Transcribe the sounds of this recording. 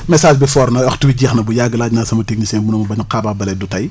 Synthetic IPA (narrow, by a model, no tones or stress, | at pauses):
mɛsaːʃbɛfɔːɾnɐwɐxtuwiɟiːxnɐbujaːɡːəlaːɟnaːsɐmɐtek̚nisɛːnbunɐmɐbɐɲuqaːbaːbɐlɛdutɐj